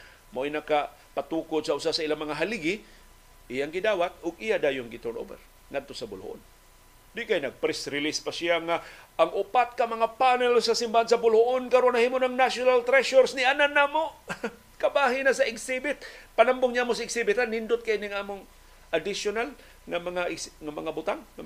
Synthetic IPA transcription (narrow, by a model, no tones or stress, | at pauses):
moʔinaka | pat̪uːkʊd̪̚saʔʊsasailamɐŋaɦaliɡɪ | ʔijaŋɡɪd̪aːwat̪̚ʊɡijad̪aːjʊŋɡɪt̪ʊnʔo̰bɛ̰r | ŋad̪̚t̪osabʊlho̰ʔo̰n | d̪ɪʔkajnɐɡ̚pɾɛsɾɪlispasɪjaŋaːŋʔʊpat̪̚kamɐŋapanɛlsasimbahansabʊlhoʔonkaɾonahiːmonaŋnasjonalt̪ɾɛʃoɾsnɪananːamo | kabaːɦɪnasaɪɡsibɪt̪̚panambʊŋɲamosaɪɡsibɪt̪anːɪnd̪ʊt̪̚kajinɪŋʔaːmʊŋ | ʔad̪ɪsjonal | ŋamɐŋaʔɪɡsŋamɐŋabʊt̪aŋːa